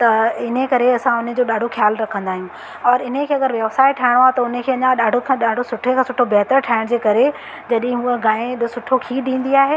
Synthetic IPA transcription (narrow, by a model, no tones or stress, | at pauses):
t̪ɐɪnekɐɾeɐsãʊnə̃̆d͡ʑoːɗaːɖʱoxjaːlɾɐkʰə̃nd̪aːɦijũ | ɔːɾɪnẽkʰeːɐɡəɾʋjɐʋsaːɪʈʰaːɪɽ̃oaːt̪ɐʊnə̆kʰeːɐɲãɗaːɖʱokʰãɗaːɖʱosʊʈʰekʰãːsʊʈʰobɛɦt̪əɾʈʰaːɪɽ̃d͡ʑeːkɐɾe | d͡ʑɐɗɪɦɪ̃ɦuəɡaːẽɗɪsʊʈʰokʰiːɗ̪ĩːn̆d̪iaːɦe